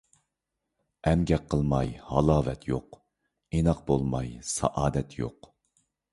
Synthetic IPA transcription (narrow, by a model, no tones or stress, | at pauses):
ɛmɡʲɛqqʰːəlˠmɑjhɑlˠɑːvɛt̪ʰjoq | enɑq̚bolˠmɑjsɑ̰ʔɑːd̪ɛt̪ʰjo̰q